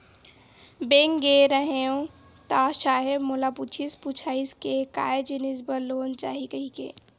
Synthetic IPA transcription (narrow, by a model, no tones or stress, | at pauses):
beːŋɡeɾəɦeõ | t̪aʃaːɦebmolaput͡ʃʰisput͡ʃʰaːiskekaːed͡ʒinisbəɾloːnt͡ʃa̰ːɦikəɦikḛː